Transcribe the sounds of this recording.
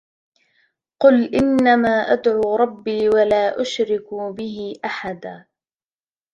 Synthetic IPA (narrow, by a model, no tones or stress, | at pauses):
qʊlʔɪnːamaːʔad̪ʕuːɾˤɑbːiːwalaːʔʊʃɾɪkubɪɦɪʔaħad̪aː